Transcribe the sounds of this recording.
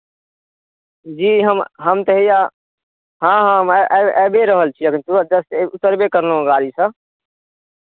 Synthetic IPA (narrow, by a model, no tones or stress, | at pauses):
d͡ʒiɦəmɦəmt̪əɦija | ɦãɦãmʔəbeɾəɦəlt͡ʃʰiəknt̪ud͡ʒəsut̪ːəɾbekəɾnoɡaɾisə